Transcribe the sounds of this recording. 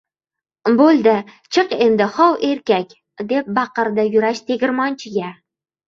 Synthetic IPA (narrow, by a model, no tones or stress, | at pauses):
bolˠd̪ɪ | t͡ʃʰɨqend̪ɪχɒwʔeɾkʲakʲ | d̪e̞p̚bɑqɨɾd̪ajʊɾaʃt̪ʰeɡʲɪɾmɒnt͡ʃʰɪɡʲa